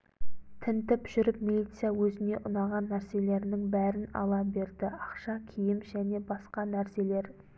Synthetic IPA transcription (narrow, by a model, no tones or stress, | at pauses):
t̪ʰɪnt̪ɪpʒ̥ʏɾɪpmilˠijt̪sɨjawɵzɪne̞ʔʊnɑʁɑnːæɾse̞le̞ɾnɪŋbæɾɪnɑ̰lˠɑbe̞ɾd̪ɪɑqʃɑkʲʰijɪmʒæne̞bɑsqɑnæɾse̞le̞ɾ